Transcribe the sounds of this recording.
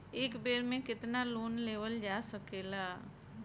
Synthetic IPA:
eːkbeːɾmẽkɪt̪naloːnleːʋəld͡ʒaːsəkeːla

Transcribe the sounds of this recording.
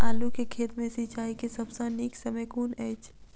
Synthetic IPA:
aːlukekʰeːt̪mẽsit͡ʃaːikesəbsãniːksəməkuːnɛːt͡ʃʰ

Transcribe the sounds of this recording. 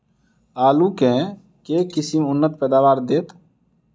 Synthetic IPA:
aːlukɛ̃ː | keːkɪsimʊnːət̪̚pɛːd̪aːʋaːɾd̪eːt̪

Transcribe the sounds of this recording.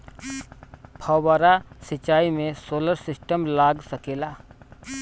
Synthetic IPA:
pʰaːbaːɾasɪt͡ʃaːimẽsoːləɾsɪsʈəmlaːɡsɐkeːlaː

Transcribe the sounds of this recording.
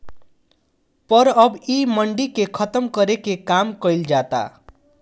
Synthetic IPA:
pʌɾʌbiməɳɖikekʰʌt̪əmkʌɾekekamkʌjld͡ʒat̪a̰

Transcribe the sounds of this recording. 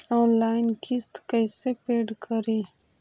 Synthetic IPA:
anlaːjnkʰist̪kəjsepeɖkʰəɾi

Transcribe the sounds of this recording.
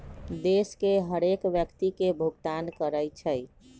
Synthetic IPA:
d̪eskeɦəɾekʋjəkt̪ikebʱuɡt̪ankəɾəjt͡ʃʰə

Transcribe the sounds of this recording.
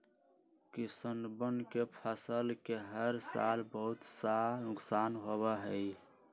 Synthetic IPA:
kisənbənkepʰəsəlkeɦəɾsa̰lbəɦut̪sanʊksaːnɦobaɦəj

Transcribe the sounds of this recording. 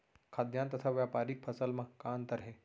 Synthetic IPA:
kʰaːd̪jãːnt̪ɐt̪ʰaʋjaːpaːɾik̚pʰɐsəlmãkaːnt̪ɐɾɦeː

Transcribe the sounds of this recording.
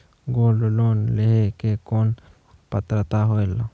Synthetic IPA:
ɡoːlloːnleɦekekoːn | pət̪ɾət̪aɦoela

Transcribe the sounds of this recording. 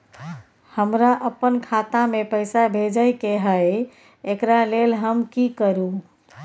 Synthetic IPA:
həmɾaʔəpːənkʰat̪amepəɪsabʱed͡ʒəjkeɦəj | ekɾalelɦəmkikəɾu

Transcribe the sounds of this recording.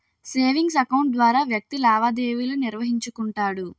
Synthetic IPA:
seːʋiŋɡs̬ɐkɐwɳʈ̚d̪ʋaːɾaːʋjɐk̚t̪ilaːʋaːd̪eːʋuluniɾʋɐɦiɲt͡ʃukuɳʈaːɽu

